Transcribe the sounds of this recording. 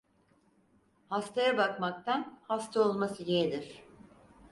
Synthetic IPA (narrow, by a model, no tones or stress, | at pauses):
hast̪ʰajabakmak̚t̪ʰanhast̪ʰao̞lˠmasɯjeɛd̪iɾ̥